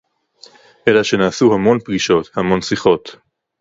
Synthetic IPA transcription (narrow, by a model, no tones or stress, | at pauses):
ʔelaʃe̞naːsuhamo̞npɡiʃo̞t̪hamo̞nsiχo̞t̪